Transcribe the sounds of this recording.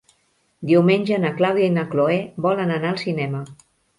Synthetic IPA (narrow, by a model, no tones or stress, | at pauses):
d̪iwmenʲʒənəklawðjainəkloebɔlənənaəlˠsinɛmə